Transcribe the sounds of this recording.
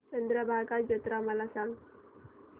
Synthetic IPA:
t͡ʃənd̪ɾabaɦakad͡ʒət̪ɾamalasaŋ

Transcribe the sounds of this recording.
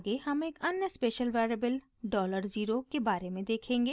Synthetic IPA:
ɡehəmeːkənjəspeːʃəlʋɛːɾəbəl | ɖɔːləɾziːɾokebaːɾemẽd̪eːkʰẽːŋɡeː

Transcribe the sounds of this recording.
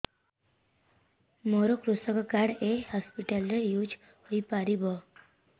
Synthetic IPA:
moɾokɾusəkkaɽehɔspiʈəlɾejud͡ʒ | hoipaɾibɔ

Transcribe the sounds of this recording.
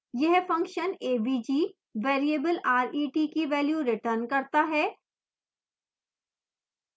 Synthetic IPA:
jɛɦfɐ̃ŋkʃəneːbiːd͡ʒiː | ʋeːɾiebəlaːɾiːʈiːkiʋɛːljuɾɪʈəɾnkɐɾt̪aɦɛː

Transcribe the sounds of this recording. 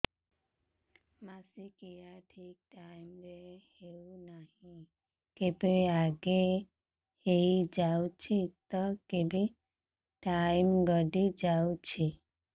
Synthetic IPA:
masikiaʈʰik̚ʈajmɾehewnahĩ | kebeaɡe | hejd͡ʒawt͡ʃʰit̪ɔkebe | ʈajmɡɔɖid͡ʒawt͡ʃʰi

